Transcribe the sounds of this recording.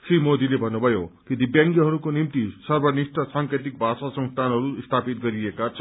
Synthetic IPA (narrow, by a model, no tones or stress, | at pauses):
srimod̪ilebʱʌnːubʱʌjokid̪ʱibjãŋkjʌɦʌɾukonimt̪isʌrbʱʌnisʈʌsaŋkɾet̪̬ik̚bʱasasʌ̃ŋst̪ʰanɦʌɾuist̪ʰapit̪̚ɡʌɾiekat͡sʰʌ